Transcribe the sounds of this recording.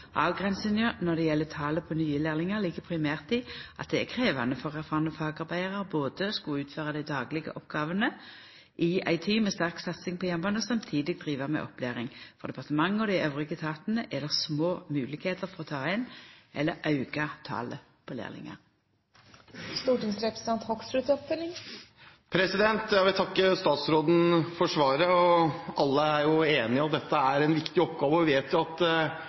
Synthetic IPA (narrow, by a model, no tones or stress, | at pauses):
ʔɑːʋɡʁɛnsənjənɔʁd̪ɛjɛlːət̪ʰɑːləpʰɔnyːəleːʁlɪŋɑʁliːkəpʰʁɪmæːʁt̪ɪʔɑ̰t̪̚d̪ɛækʰʁeːʋɑnəfɔʁæʁfɑːʁɑnəfɑːɡɑʁbæɪɑʁɑʁboːd̪əskʊʉːt̪føːʁɑd̪æɪd̪ɑːɡlɪɡə̰ʔɔpɡɑːʋənə | ʔɪæɪt̪ʰiːmɛst̪æʁksɑt̪sɪŋpʰɔjɛmbɑnəsɑmt̪ʰiːd̪ɪɡ̚d̪ʁiːʋəmɛ̰ʔɔ̰pleːʁɪŋfɔʁd̪ɛpɑʁt̪əmɑŋːəɔd̪æɪʔøːʋʁɪɡət̪ʰɑːt̪ənəʔɛlːəʁsmoːmʉːlɪɡheːt̪əʁfɔʁɔt̪ʰɑːɪnʔɛlːəʁɑʉɡ̥ɑt̪ʰɑ̰ːlə | pʰɔlḛːʁlɪ̰ŋə̰ʁ | st̪uːʈɪŋsɾɛpɾsɪ̥t̪ɑnt̪hɔksɾʉt̪ɔpfɪlɪŋ | pʰɾɛsɪd̪ɛnt̪jæɪʋɪlt̪ʰɑkːəst̪ɑːt̪sɾoːd̪n̩fɔʂʋɑːɾəɔɑlːəæɾjʊeːnɪɑd̪ɛt̪ːəæɾɛnʋɪkt̪ɪɔpɡɑːʋəɔʋɪʋeːt̪jʊɑt̪